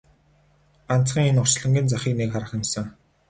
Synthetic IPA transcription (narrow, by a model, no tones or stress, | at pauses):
an̥t͡sχĭŋenʊrt͡ɕɮə̆ŋɡʲĭnt͡saχʲiːknekχaɾə̆χɪ̆msə̆ŋ